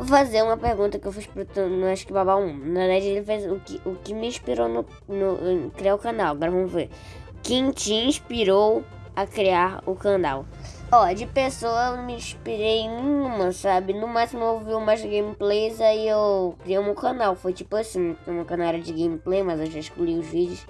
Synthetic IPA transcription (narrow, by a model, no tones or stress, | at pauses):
ofazeɾũmɐpehɡũnt̪ɐkɪewfispɾʊt̪nɐ̃w̃aʃʊ̥kɪbabãũnɐved̪aɐd͡ʒɪelɪfejzʊkɪʔʊkɪmɪĩʃpiɾonʊ | nʊkɾiaɾʊkɐ̃nawaɡɔɾɐvɐ̃mʊve | kẽj̃t͡ʃiĩʃpiɾow | ɐkɾiaɾʊkɐ̃na̰w | ɔd͡ʒɪpesoɐmɪĩʃpiɾejnẽɲũmɐsabɪnũmasɪmuewviumajzɡẽjmiplejzaiewkɾiejũmẽwkɐ̃nawfojt͡ʃipʊasĩũmɐkɐ̃naɾɐd͡ʒɪɡẽjmiplejmɐzewʒaɪʃkluiʊzvid͡ʒɪʊs